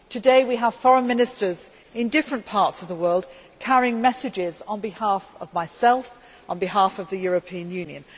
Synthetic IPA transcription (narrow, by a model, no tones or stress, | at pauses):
tʰədeɪwiəv̥fɒɹə̃nmɪ̃nɪstəz | ɪ̃ndɪfɹə̃npʰɑˑɹtsəvðəwɜːlˠd̥̚kʰaɹiɪ̃ŋmɛsɨd͡ʒɪzn̩bɪhɑˑfəvmaɪsɛlˠf | n̩bɪɦɑˑfəvðɨjɔɹəpʰĩə̃njʉ̃njə̰̃n